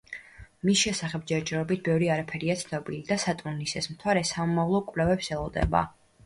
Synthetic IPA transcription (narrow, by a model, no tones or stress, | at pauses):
misʃɛsaχɛb̚d͡ʒɛɾd͡ʒɛɾɔbit̪̚ʰbɛvɾiaɾapʰɛɾiat̪sʰnɔbilid̪asat̪ʼunnisɛsmt̪ʰwaɾɛsamɔmavlˠɔkʼvlɛvɛpsɛlˠɔd̪ɛ̰ba̰